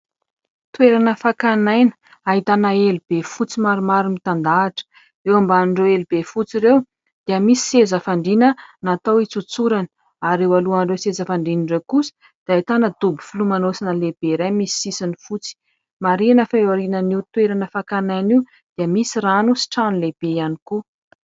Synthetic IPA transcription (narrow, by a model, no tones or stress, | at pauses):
t̪ueɾanəfakanajnə̥ | aɦit̪anaelub̥efut͡simaɾumaɾimit̪and̪aːʈ͡ʂə̥ | ewambanɳɖ͡ʐewelubefut͡siɾew | d̪̥eəmisi̥sezəfaɳɖ͡ʐinənat̪owit͡sut͡suɾan | aɾewaluanɖ͡ʐewsezəfaɳɖ͡ʐiniɳɖ͡ʐewkusə̥ | d̪̥iait̪anəd̪̥ubi̥fulumanosinəlebeɾajmisi̥sisinifut͡si̥ | maɾinəfaaɾinəniut̪weɾanəfakanajniw | d̪̥iəmisiɾanusi̥ʈ͡ʂanuleb̥ejaniku